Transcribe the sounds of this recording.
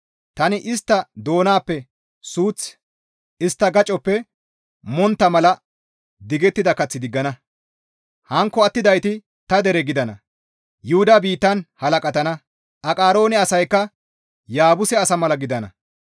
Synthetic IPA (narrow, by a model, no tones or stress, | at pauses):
t̪ɐnɪʔɪst̪ːɐd̪o̞ːnaːpːɛ | suːt͡s | ɪst̪ːɐɡɐt͡ʃʼɔpːɛ | mɔnt̪ːɐmɐlɐ | d̪ɪɡɛt̪ːɪd̪ɐkɐt͡sːɪd̪ɪɡːɐnɐ | hɐŋkːɔɐt̪ːɪd̪ɐjt̪ɪ | t̪ɐd̪ɛɾɛɡɪd̪ɐnɐ | jʊhʊd̪abiːt̪ːɐnhɐlɐkʼɐt̪ɐnɐ | ʔɐkʼaːɾo̞ːnɛɐsɐjkːɐ | jaːbʊsɛɐsɐmɐlɐɡɪd̪ɐnɐ̰